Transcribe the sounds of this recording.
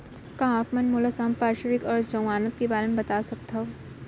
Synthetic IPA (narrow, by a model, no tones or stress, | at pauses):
kãakmɐnmulɐsaːmpaːɾʃɐɾikɔːɾd͡ʒɐ̃w̃aːnɐt̪̚kibaːlɐnbɐt̪aːsɐk̚t̪ʰɐʋ